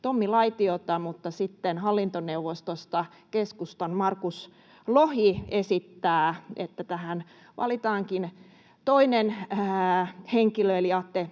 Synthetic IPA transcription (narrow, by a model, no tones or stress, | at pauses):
t̪omːilɑit̪iot̪ɑmut̪ːɑsit̪ːenhɑlːint̪oneuʋost̪ost̪ɑ | keskust̪ɑnmɑrkus | lohiesit̪ːæːʔḛt̪ːæt̪æhæn | ʋɑ̰lit̪ɑːŋkin | t̪oinen | heŋkiløiljɑt̪ːe